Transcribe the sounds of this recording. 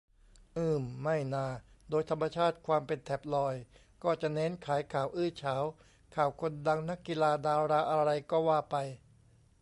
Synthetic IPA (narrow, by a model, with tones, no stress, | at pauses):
ʔɯː˧˥˩mːa˥˩jnaː˧˩doː˧jt̪ʰa˧mːa˧t͡ɕʰaː˥˩t̪̚kʰwaː˧mpe˧nt̪ʰɛ˨˩p̚lɔː˧j | kɔː˥˩t͡ɕa˨˩ʔnɛ˦˥nkʰaː˩˦jkʰaː˨˩wʔɯː˥˩t͡ɕʰaː˩˦w | kʰaː˩wkʰo˧nda˧ŋna˦˥kːi˧laː˧daː˧wɾaː˧ʔa˧ɾa˧jkɔː˥˩waː˥˩pa˧j